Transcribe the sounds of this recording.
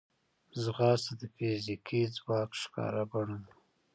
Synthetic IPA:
zɣɑːsad̪əfizikʰid͡zwɑːkʃkɑ̰ːɾabaɽun

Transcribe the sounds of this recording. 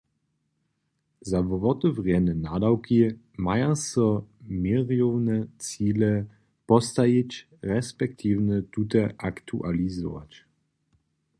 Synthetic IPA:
zavɔvɔt̪ɔvʁjɛnɛnad̪awkʰi | majasɔmiʁjɔwnɛt͡siːlɛ | pɔst̪ajit͡ɕ | ʁɛspɛk̚t̪ʰivnət̪ut̪̬aʔakt̪ʰṵʔa̰lizɔ̰va̰t͡ɕ

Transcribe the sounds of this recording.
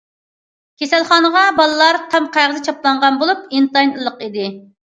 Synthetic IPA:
kʲʰesælˠχɑːnəʁɑbɑlˠɨlˠɑɾq̪ʰɑmqæʁəzɨt͡ʃʰɑplˠɑɴʁɑnbolˠup̚int̪ɑjnlˠːəqid̪ɪ

